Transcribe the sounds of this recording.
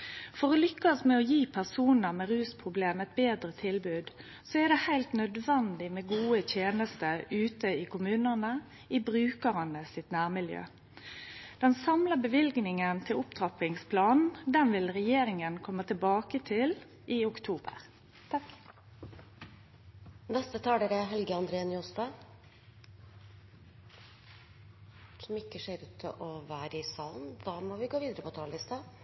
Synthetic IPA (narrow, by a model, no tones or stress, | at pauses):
fɔʁɔlʏkːəsmɛɔjiːpʰæʁsuːnəmɛʁʉːspʰʁʊbleːmɛt̪̚beːd̪ɾət̪ʰɪlbʉːd̪ | sɔɛd̪ɛhæɪlt̪nœd̪ʋɛnd̪ɪmɛːɡuːət̪ʰjeːnəst̪əʉːt̪əɪkʊmʉːnənə | ibʁʉːkəʁənəsɪt̪næːʁmɪljø̰ː | d̪̥ɛnsɑmləbəʋɪlɡnɪŋənt̪ʰɪlʊpt̪ʰʁɑpɪŋspʰlɑːnn̩d̪ɛnʋɪlʁɛjeːʁɪŋənkʰɔmːət̪ʰɪlbɑːkət̪ʰɪl | ʔiːʊkt̪ʰuːbə̰ʁ | t̪ʰɑk | nɛst̪ət̪ʰɑːd̪eːɾɛɦɛlɡəɑnd̪ɾeːnjust̪ɑ | sɔmɪkːəʂeːɾʉːt̪ʰːɪlʔɔʋæːɾəɪsɑːlnd̪̥ɑːmɔʋɪɡoːʋiːd̪əɾəpʰɔt̪ʰɑːlɪst̪ɑ